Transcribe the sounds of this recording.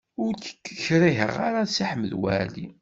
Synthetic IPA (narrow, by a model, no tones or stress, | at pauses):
ʊɾt͡sə̥kːəçɾiɦə̰ʁaɾasiħməðwæ̰lḭ